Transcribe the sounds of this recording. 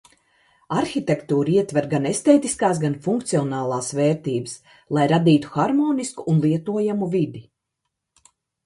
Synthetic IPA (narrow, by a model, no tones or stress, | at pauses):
aɾxʲit̪ekt̪uːɾiɛt̪vɛɾɡanest̪eːt̪iskaːs̬ɡanfuŋk̚t̪siɔnaːlˠɑːsveːɾt̪iːbɨs | lˠajɾad̪iːt̪u̥xaɾmɔːniskuʔunlˠiɛt̪uɔjamuvid̪i